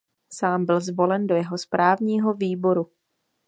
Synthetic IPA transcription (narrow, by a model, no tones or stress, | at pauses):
saːmbɪlzvo̞lɛndo̞jɛɦo̞spɾʔaːvɲiːɦo̞viːbo̞ɾu